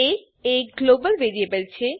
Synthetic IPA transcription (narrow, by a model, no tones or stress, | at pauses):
e | eɡlobəlʋeɾiepeɾt͡ɕʰe